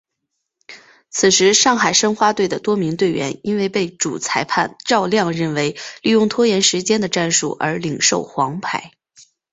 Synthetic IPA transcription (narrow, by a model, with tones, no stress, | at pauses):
t͡sʰɹ̩˨˩ʂɻ̩˧˥ʂɑ˥˩ŋxa˨˩ɪʂə˥ŋxwa˥t̪we˥˩ɪd̪ə˩t̪wɔ˥mi˧˥ŋt̪we˥˩ɪɥɛ̰˧˥ni˥nwe˥˧ɪpe˥˩ɪʈ͡ʂu˨˩t͡sʰa˧˥ɪpʰa˥˧nʈ͡ʂɑ˥˧ʊljɑ˥˧ŋɻə˥˩nwe˧˥ɪli˥˧jʊ˥˩ŋt̪ʰwɔ˥jɛ˧˥nʂɻ̩˧˥t͡ɕjɛ˥nd̪ə˨ʈ͡ʂa˥˧nʂṵ˥˩ʔə̰˞˧˥li˨˩ŋʂo˥˩ʊxwɑ˧˥ŋpʰa̰˧˥˩ɪ